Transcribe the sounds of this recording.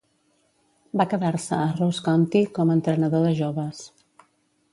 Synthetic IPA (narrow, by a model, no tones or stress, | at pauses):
bakəðaɾsəːroskɔnt̪ikɔmənt̪ɾənəðoðəʒoβəs